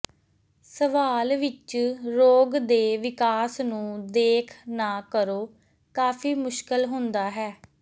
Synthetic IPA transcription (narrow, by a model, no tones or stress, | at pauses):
səʋaːlʋɪt͡ʃɾoːɡd̪eːʋɪkaːsnũːd̪eːkʰnaːkəɾoː | kaːfʰiːmʊʃkəlɦʊnd̪aːɦɛː